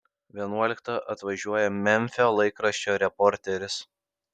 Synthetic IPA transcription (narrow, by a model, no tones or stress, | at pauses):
ʋʲiɛnuɔlʲɪkt̪ɐʔɐt̪ʋɐʒʲuɔjɛmʲɛnʲfʲolˠɐɪkɾɐʃʲt͡ʃʲoːɾʲɛpɔɾʲt̪ʲɛɾʲɪs